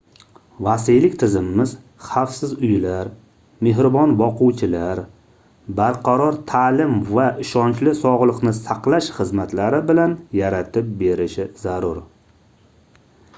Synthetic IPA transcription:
vasijlɪkʲt̪ʰɪzɪmːɪz | χafsɪzʊjlaɾ | me̞ɦɾɪbɒnbɒqʊwt͡ʃʰɪlaɾ | baɾqʰɑɾɒɾt̪ʰaːlɪmvaʔɪʃɒnt͡ʃlɪsɒʁlˠɨqnɪsaqlˠaʃχɨzmat̪laɾɪbɪlanjaɾat̪ʰɪp̚be̞ɾɪʃɪzaɾʊɾ

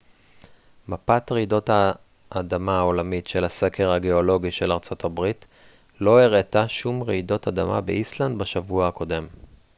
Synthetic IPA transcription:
mapatʁeido̞tha | ʔːdamaao̞lamitʃe̞lhase̞ke̞ʁhaɡe̞o̞lo̞ɡiʃe̞laʁt͡so̞tʰabʁit | lo̞eʁetaʃumʁeidotadama̰beʔisland̪baʃavuahako̞de̞m

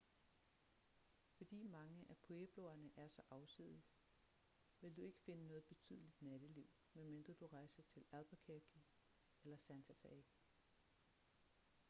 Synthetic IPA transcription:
fɒ̽d̥ḭːmɑ̈ŋəʔæpʰoeb̥lɔ̰ɐnəʔæɐsɒ̽ʔɑ̈ʊsḭð̰ˠs | ʋe̝ld̥ue̝ɡ̥ə̥fe̝nənɔ̽ːð̞̩ˠb̥e̝t͡sʰy̰ðˠlid̥næɾ̥əliʊ̰ | memend̥ʁɐd̥uʁɑ̈ɪsɐt͡sʰe̝læðˠb̥ɐkʰeɡ̥ʰi | elɐsænt͡sʰæfæiɡ̥

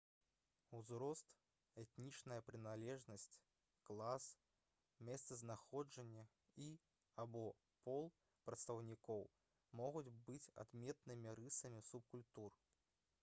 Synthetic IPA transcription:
uzɾɔst̪ | ɛt̪nʲit͡ʂnɐjɐpɾɨnalʲɛʐnɐsʲt͡sʲ | klˠas | mʲɛst̪sɐznaxɔd͡ʐɐnʲːɐ | i | abɔ | pɔlˠ | pɾɐt̪st̪ɐwnʲikɔw | mɔɣud͡zʲbɨt͡sʲa̰d̪mʲɛt̪̚nɨmʲiɾɨsɐmʲisup̚kulʲt̪ur

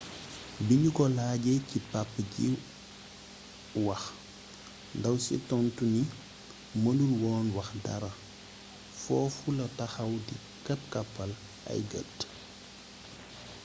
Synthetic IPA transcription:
biɲukɔlaːɟecipapːɡḭ | wɐx | ndɐwsḭtɔntuni | mɐlulwɔːnwɐxdɐ̰ɾɐ | fɔːfulɐtɐxɐwdḭ | kɐp̚kɐpːɐl | ɐ̰jɡə̰t

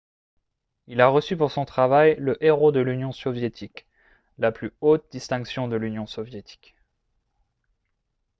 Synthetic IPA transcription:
ilaʁəsypuʁsɔ̃t̪χavajləʔeʁod̪əlynjɔ̃sɔvjet̪ʰik | laplyot̪̚d̪ist̪ɛ̃ksjɔ̃d̪əlynjɔ̃sɔvjet̪ʰi̥k

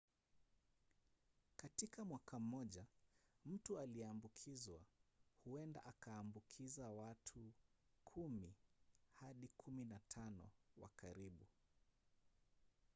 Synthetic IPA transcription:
katikamwakam̩ːɔʄam̩tualiɛambukʰizwahuɛnda̰ʔakaːmbukʰizawatʰukʰumihaɗikʰuminatʰanɔ̰wa̰kaɾiɓu

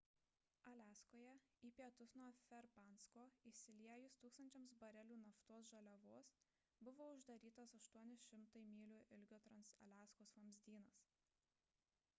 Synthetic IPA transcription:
ɐlʲæːskoːjɛiːpʲiɛt̪ʊsnuɔfʲɛɾpɑˑnskoːisʲɪlʲiɛjʊst̪uːkst̪ɐnʲt͡ʃʲɛmsbɐɾʲɛlʲuːnɐft̪oːsʒɐlʲɛʋoːs | bʊʋoːʊʒd̪ɐɾʲiːt̪ɐsɐʃt̪uɔnʲɪʃʲɪmt̪ɐɪmʲiːlʲuːʔɪlʲɡʲoːt̪ɾɐnsɐ̰lʲæːskoːsʋɐmʲzʲd̪ʲiːnɐs

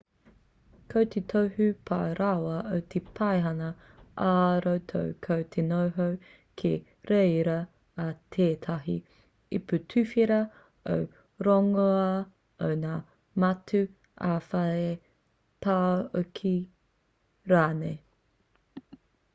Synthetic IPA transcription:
kʰowt̪ʰet̪ʰowhʉpʰaɾawɐʔowt̪ʰepʰɐjɦɐnɐ | ʔaɾowtʰo̰wkʰowt̪ʰenowɦow | kʰe | ɾeɾɐː | t̪ʰeːt̪ʰaɦḭ | iputʰʉfiɾɐ | ow | ɾoŋoɐ | ownaː | mɐtʰʉ | ʔaːfɐe | pʰaokʰi | ɾaːne

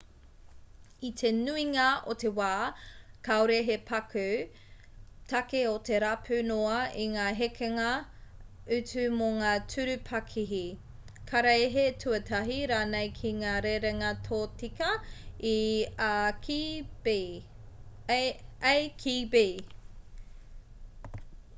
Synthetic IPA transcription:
itʰenuiŋɐotewaːkaoɾeɦepʰɐkʰʉ | tʰɐkeote̞ɾapʰʉnoɐiŋaːɦekʰeŋɐ | ʉt͡sʉmoŋaːtʰʉɾʉpʰɐkʰiɦi | kʰaɾɐeɦetʰʉɐtʰɐɦiɾaːnejkʰiŋaːɾeɾeŋɐtʰoːtikɐi | k | ajkʰibe

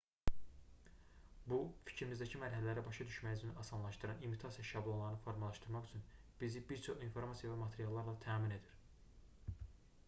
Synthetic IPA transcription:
bufi̥cʰɾimizd̪æcʰimæɾɦælælæɾæbɑʃɑd̪yʃmæjizyniɑsɑnlˠɑʃt̪ɯɾɑnimit̪ʰɑsijɑʃɑblˠonlˠɑɾɯnɯfo̞ɾmɑlˠɑʃt̪ɯɾmɑχyt͡ʃʰyn | b̥izibiɾt͡ʃʰo̞χinfo̞ɾmɑsijɑvæmɑt̪ʰeɾijɑlˠːɑɾlˠɑt̪ʰæːmine̞d̪iɾ̥

